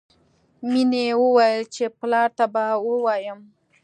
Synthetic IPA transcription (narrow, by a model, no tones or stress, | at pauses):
minewəwajəlt͡ʃeplɑɾt̪abawəwɑjəm